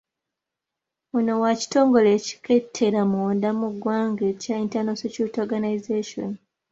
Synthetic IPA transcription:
ono̞waci̥to̞ːŋɡo̞le̞ːci̥ke̞tʰːe̞ɾamoːndamuɡwaːŋɡecaintanosocutoɡanaizeʃo̰n

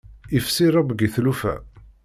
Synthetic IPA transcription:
ifsiɾˤɑbəɡiθlufæ̰

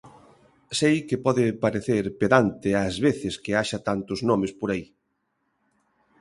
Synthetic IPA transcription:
sejkɪpɔðɪpaɾeθeɾpeðant̪ɪazβeθɪskɪaʃat̪ant̪ʊznomɪspoɾai

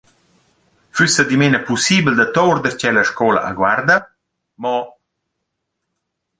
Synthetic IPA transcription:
fysəd̪imenəpusibld̪ɐt̪ɔwɾd̪əɾt͡ɕɛlɐʃkɔːla̰ʔa̰ɡward̪ə | mɔ

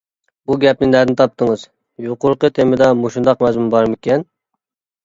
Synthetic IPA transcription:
buɡʲɛp̚nɪŋnæɾnɪt̪ʰɑp̚t̪ʰəŋɨz | joqʊɾqət̪ʰemɪd̪ɛmuʃund̪ɑqmɛzmumbɑɾmɪkʲʰɛn

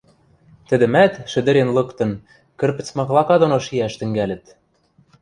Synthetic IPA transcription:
t̪ɘ̆d̪ɘ̆mæt̪ʃɘ̆d̪ɘ̆ɾenlɤ̆kt̪ɤ̆n | kɘ̆rpɘ̆t͡smɑɣlˠɑkɑd̪onoʃiæʃt̪ɘ̆ŋɡælɘ̆t̪

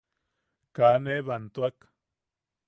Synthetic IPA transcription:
kaneβant̪uak

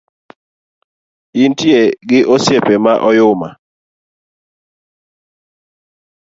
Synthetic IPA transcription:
intieɡɪʔɔsjɛpɛmaʔɔjʊma̰

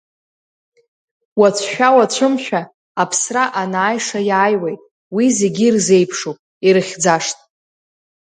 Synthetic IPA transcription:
wat͡sʷʰʃᶣawat͡ɕʷʰɨmʃᶣaː | pʰsraʔanaːjʂajaːjwejtʼ | wize̞ɡʲirze̞jpʰʂupʼ | iɾɨχʲd͡zaʂtʼ

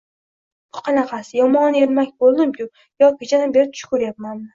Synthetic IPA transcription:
b̥ʊqʰɑnɑqʰɑsɪjɒmɒneɾmakʲbolˠd̪ɪmkʰʲʊ | jɒkʲɪt͡ʃʰanabeɾɪt̪ʰʊ̥ʃkʰʊɾjapmanmɪ

